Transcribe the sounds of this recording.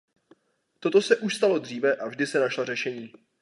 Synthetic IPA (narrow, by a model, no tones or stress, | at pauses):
t̪o̞t̪o̞sɛʔuʃst̪alo̞d̪r̝iːvɛʔavʒdɪsɛnaʃlarɛʃɛɲiː